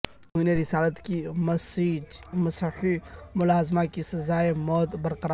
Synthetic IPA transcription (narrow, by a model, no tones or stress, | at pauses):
d̪uːneɾɪsaːlət̪ki | mɐsħimʊlaːzmakisɐzaːemɔːd̪bɐɾqɐɾa